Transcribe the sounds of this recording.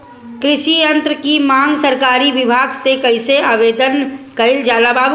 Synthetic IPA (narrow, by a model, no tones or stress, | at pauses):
kɾɪʃijə̃nt̪ɾəkimãːŋɡsəɾkaːɾiʋɪbʱaːɡsekɐɪseaːʋeːd̪ənkɐɪld͡ʒaːlabaːb